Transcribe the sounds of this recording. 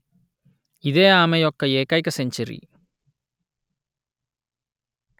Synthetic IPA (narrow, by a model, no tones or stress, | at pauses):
ɪðeːaːmɐjɔkːɐeːkːɐjkːɐsɛɲt͡ʃɐɾḭ